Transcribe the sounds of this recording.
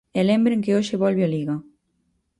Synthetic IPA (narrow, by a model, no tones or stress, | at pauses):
elẽmbɾeŋkeoʃeβɔlβealiɣa